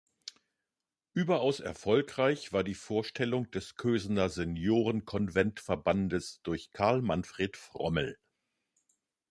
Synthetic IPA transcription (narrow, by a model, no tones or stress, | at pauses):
ʔyːbɐʔaʊsɛ̰ɐfɔlkʁ̥aɪçv̥aːɐdiːfoːɐʃtʰɛlʊŋd̥ɛskʰøːznɐzɛnjoːʁənkʰɔnvɛntfɛɐbandəsd̥ʊɐçkʰaɐlmanfʁ̥eːtfʁ̥ɔ̰məl̩